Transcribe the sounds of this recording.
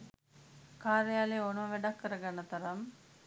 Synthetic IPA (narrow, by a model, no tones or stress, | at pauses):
kaːɾejaːleːonuməʋæɖɐkːəɾəɡanːət̪ɐɾɐm